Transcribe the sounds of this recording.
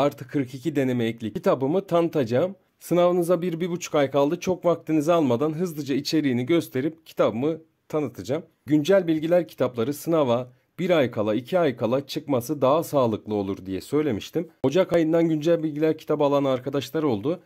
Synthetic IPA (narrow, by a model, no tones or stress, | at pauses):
aɾt̪ʰɯkʰːɯɾkʰicʰid̪e̞ne̞mɛːclʲiit̪ʰabɯmɯt̪ʰanɯt̪ʰad͡ʒaːm | sɯnavanɯzabiɾbibut͡ʃʰu̥kajkʰalˠd̪ɯt͡ʃʰo̞kvak̚t̪ʰinizalˠmad̪anɦɯzd̪ˠɯd͡ʒait͡ʃʰe̞ɾiːniɟø̞st̪ʰe̞ɾip̚cʰi̥t̪ʰabɯmɯ | t̪ʰanɯt̪ʰad͡ʒam | ɟynd͡ʒælʲbilʲɟilʲæɾcʰi̥t̪ʰaplˠaɾɯsɯnava | b̥iɾajkʰalˠaicʰiajkʰalˠat͡ʃʰɯkmasɯd̪aɦasaːlˠɯklˠɯo̞lˠuɾd̪ijɛ̰sø̞jlʲe̞miʃt̪ʰimho̞d͡ʒakajɯnd̪anɟynd͡ʒælʲbilʲɟilʲæɾcʰi̥t̪ʰapalˠanaɾkʰad̪aʃlˠaɾo̞lˠd̪ʊ